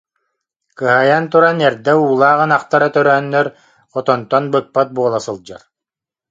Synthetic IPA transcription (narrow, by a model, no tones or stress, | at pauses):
kɯɦaːjant̪uɾanɛɾd̪ɛuːlˠaːʁɯnaχt̪aɾat̪œɾœɦœnːœɾ | χɔt̪ɔnt̪ɔnbɯk̪̚pat̪̚buɔlˠasɯlˠd͡ʑa̰ɾ